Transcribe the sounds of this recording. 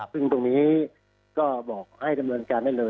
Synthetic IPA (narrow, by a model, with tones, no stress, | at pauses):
a˨˩pʰɯ˥˩ŋt̪o˧ŋniː˦˥ | kɔː˥˩bɔː˨˩k̚ha˥˩jda˧mnɤː˧nkaː˧nda˥˩jlɤː˧